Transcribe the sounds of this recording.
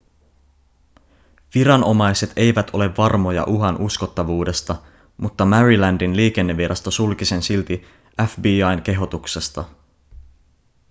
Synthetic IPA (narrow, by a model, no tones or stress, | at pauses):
ʋiɾɑno̞mɑjse̞t̪e̞jʋæt̪ʰo̞le̞ʋːɑrmo̞jɑ̰ʔuɦɑnʔusko̞t̪ːɑʋuːde̞st̪ɑ | mut̪ːɑmærilændinliːk̟e̞nːeʋːiɾʔɑst̪osulkise̞nsilt̪i | æfbiːɑjnke̞ɦo̞t̪ukse̞st̪ɑ